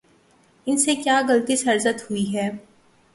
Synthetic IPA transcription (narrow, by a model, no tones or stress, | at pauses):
ɪnsekjaːɣɐlt̪isɐɾzət̪hʊiɦɛː